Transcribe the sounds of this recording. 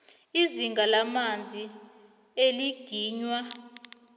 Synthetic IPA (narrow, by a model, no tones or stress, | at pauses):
iziŋɡalamand͡zʱi | eliɡ̥ʱiːɲwa